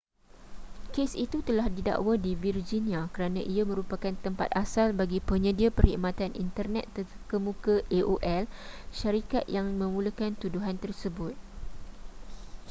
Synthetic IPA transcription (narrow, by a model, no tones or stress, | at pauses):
kesit̪ut̪əlahdida̰ʔwadivird͡ʒinĩãkəɾanãʔiamə̃ɾupakant̪əmpat̪̚asalbaɡipəɲə̃diapəɾhḭʔmãt̪anʔḭnt̪ərnɛt̪ːə | kəmũkaʔeʔoʔɛlʃaɾikat̪̚jaŋmə̃mũləkant̪uduɦant̪ərsəbʊt̪̚